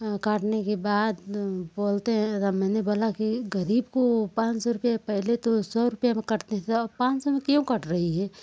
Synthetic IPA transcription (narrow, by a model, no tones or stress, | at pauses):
kaːʈnekebaːd̪boːlt̪eɦɛ̃t̪amɛ̃ːneboːlakiɡəɾiːbkopãːt͡ʃsɔɾʊpjapɛɦlet̪osɔːɾʊpjamẽkɐɾt̪eɦɛ̃t̪ɐpãːt͡ʃsɔmẽkjõkɐʈʰɾɐɦiɦɛː